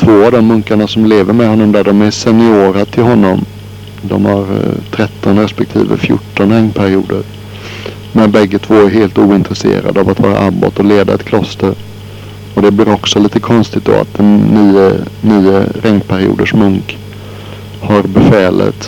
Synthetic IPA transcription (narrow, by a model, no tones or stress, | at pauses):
t̪ʰvoːavd̪ɔmːɵŋkaɳasɔmleːvəɾmɛd̪ɦɔnːɔmd̪æɖɔmæsɛnɪoːɾat̪ʰɪlɦɔnːɔm | d̪ɔ̰mhaɾt̪ʰɾɛt̪ʰːɔnɾɛspɛk̚t̪ʰḭːvə̰fjʊ̰ʈːɔnɾɛŋnpʰæɾɪuːd̪əɾ | mɛnbɛɡːət̪ʰvoːæɾɦeːlt̪uːɪnt̪ɾɛsḛːɾa̰d̪əavat̪vɑ̰ːɾa̰ʔabːo̰t̪ɔleːd̪aɛt̪kʰlɔst̪əɾ | ɔd̪ɛblɪɾɔksɔliːt̪əkʰɔnst̪ɪk̚t̪̚d̪ɔ̰ːa̰t̪̚d̪ɛnnːiːəniːəɾʔɛŋnpʰæɾɪṵːd̪əʂmɵŋk | haɾbɛfɛːlə̰t̪